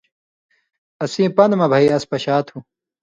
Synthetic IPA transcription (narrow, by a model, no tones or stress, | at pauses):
ɐsĩːpɐnmɐbʱɐiɐspɐɕaːt̪ʰũ